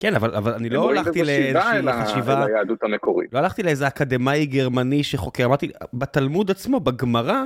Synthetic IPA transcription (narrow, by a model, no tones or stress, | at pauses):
kenavalavalaniloalaχt̪ileaelaχaʃivajaːd̪ut̪amekoʁḭlo̞alaχt̪ileezeakad̪emajɡeʁmaniʃeχokeʁamaʁt̪ibet̪almud̪at͡smo̞baɡmaʁa